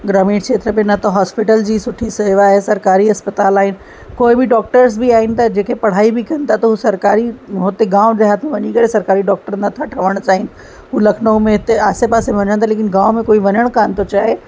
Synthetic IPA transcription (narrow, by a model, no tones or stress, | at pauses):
ɡɾaːmiːɽkʃʰeːt̪ɾəmẽnɐt̪oɦaːspɪʈəld͡ʑiːsʊʈʰiseːʋaɦesɐɾkaːɾiɦɐspət̪aːlaːɦɪnɪ̆ | koːibʱiɖɔːk̚ʈəɾs̬bʱiaːɦɪnɪ̆t̪ʰad͡ʑeːkʰepɐɽ̤aːibʱikɐnt̪ʰat̪oɦusɐɾkaːɾiɦʊt̪eɡãːʊ̃d͡ʑeɦaːt̪ʰmẽʋɐɲikɐɾesɐɾkaːɾiɖɔːk̚ʈəɾnɐt̪ʰaʈʰɐʋəɽ̃t͡ɕaːɦɪn | ɦulɐkʰnəõmẽɦɪt̪eaːsepaːseʋɐɲəɽ̃t̪ʰaleːk̬ɪnɡãːomẽkoːiʋɐɲəɽ̃kaːnt̪ot͡ɕaːɦe